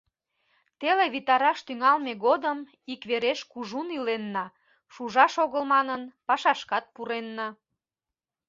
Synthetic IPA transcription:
t̪eleβit̪ɑɾɑʃt̪yŋɑlmeɣod̪əm | ikβeɾeʃkuʒunilenːɑ | ʃuʒɑʃoɣəlmɑnənpɑʃɑʃkɑt̪̚puɾenːɑ

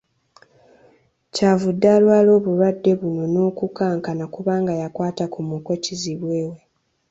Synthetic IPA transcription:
caːvudːaːlwaːlo̞ːβulwadːe̞βuno̞no̞ːkukaːŋkanakuβaːŋɡajakwaːtakumukociziβwe̞ːwe̞

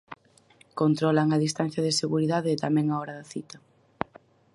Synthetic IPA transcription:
kont̪ɾɔlaŋaðist̪an̟θjɐðɪseɣuɾiðaðeːt̪amɛ̃ŋaɔɾɐðɐθit̪ɐ

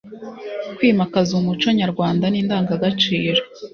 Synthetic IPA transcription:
kwiːmakazumut͡ʃoɲaɾɡwaːndaniːndaːŋɡaɡat͡ʃiːɾo

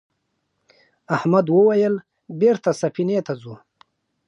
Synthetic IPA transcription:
ahmad̪wəwajəl | beɾt̪asafinet̪azu

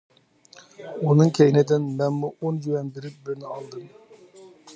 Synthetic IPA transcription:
unɨŋkʲʰɛjnɪd̪ɪnmɛnmuʔond͡ʒuwɛnbeɾɪp̚bɪɾnɪɑlˠd̪ɨm

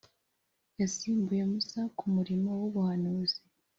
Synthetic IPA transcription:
jasiːmbuje̞musakʰumuɾimo̞woβuhanuːzi

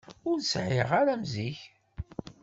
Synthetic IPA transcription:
ʊɾsʕɪ̰ʁaɾæmziç

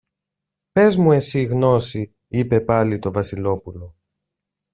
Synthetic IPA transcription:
pe̞zmue̞siɣno̞si | ipe̞pɐlit̪o̞vɐsilo̞pulo̞

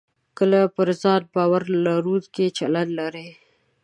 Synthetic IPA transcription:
kəlapəɾzɑt̪̚bɑwaɾlaɾud̪ket͡ʃaland̪laɾej

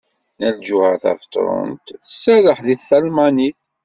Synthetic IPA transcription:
næld͡ʒuhæθæ̰ft̪ˤɾˤo̰nt̪θəsːæləħðiθælmaniθ

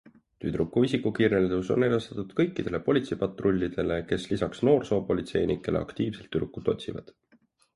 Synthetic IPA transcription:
t̪yd̪̥ɾukːuvisikːukireld̪uso̞nːejlɑst̪ɑt̪ːud̪̥kɤjkːid̪̥e̞le̞po̞lʲit̪sepɑt̪ˑro̞lʲːid̪̥e̞le̞ke̞slisɑksno̞ːrso̞ːpo̞lʲit̪se̞jnikːˑe̞leɑ̰kt̪iːvse̞lt̪ːyɾukːut̪ːˑo̞t̪ʲsivɑ̰d̪̥

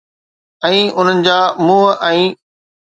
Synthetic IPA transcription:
ɛ̃ːʊn̤ənɪ̆d͡ʑaːmũːɦʔɛ̃ː

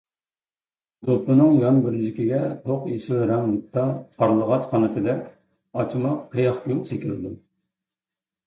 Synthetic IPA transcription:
d̪opːɨnɨŋjɑnbɪɾd͡ʒikʲiɡʲɛt̪ʰoqjeʃilɾɛmut̪ʰːɑqʰɑɾlˠəʁɑt͡ʃqʰɑnɨt̪ʰɨd̪ɛkʲ | ɑt͡ʃʰimɑqʰːəjɑχkʲulsekʲilɪd̪u

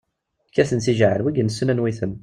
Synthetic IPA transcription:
kːæθənθiʒʕəlwiɡənsːənænwiθən

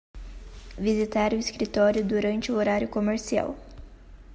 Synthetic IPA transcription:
vizit̪aɾʊiskɾit̪ɔɾjʊd̪uɾɐ̃nt͡ʃɪʊoɾaɾjʊkomeɾsia̰w

